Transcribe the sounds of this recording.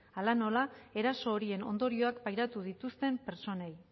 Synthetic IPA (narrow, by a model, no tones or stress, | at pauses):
alano̞lae̞ɾaso̞ːɾie̞no̞̰nd̪o̞ɾio̞akbajɾat̪uð̞it̪ust̪e̞mpe̞ɾt͡so̞ne̞j